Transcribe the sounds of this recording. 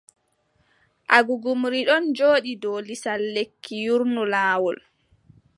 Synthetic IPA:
ʔaɡuɡumɾiɗɔnd͡ʒoːɗidɔlisalːekʰːijuɾnulaːwɔl

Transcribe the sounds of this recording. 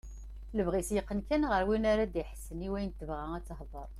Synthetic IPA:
ləvʁisjəqːənkænʁəɾwinaɾad̪iħsːəniwæjənt̪ːəvʁææt͡sːhðˤəɾˤ

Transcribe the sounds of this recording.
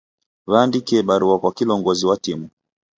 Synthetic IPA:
βaːndikɛɓaɾuakwakilɔŋɡɔziwatimu

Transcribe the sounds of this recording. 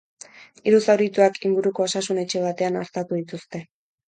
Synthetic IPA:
iɾusawɾit̪uakʰiŋɡuɾuko̞osasune̞t͡ʃe̞β̞at̪e̞anaɾt̪at̪uð̞it̪ust̪e̞

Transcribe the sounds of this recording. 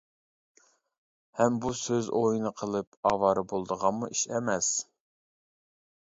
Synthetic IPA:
hɛmbusøzʔojinɨqʰəlˠɨp̚ɑwɑːɾɨbolˠd̪əʁɑnmuiʃɛmɛs

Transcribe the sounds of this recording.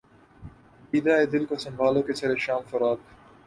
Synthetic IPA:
biːd̪aːeːd̪ɪlkosɐ̃mbʱaːloːket͡ʃʰɐɾeʃaːmfɐɾaːd̪̚

